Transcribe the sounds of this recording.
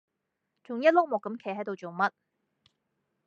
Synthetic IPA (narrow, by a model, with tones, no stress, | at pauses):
t͡sʰʊ˨˩ŋjɐ˥t̚lʊ˥k̚mɔː˨kːɐ˨˥mkʰe˨˥jɦɐ˨˥jt̪o˨wt͡so˨wmɐ˥t̚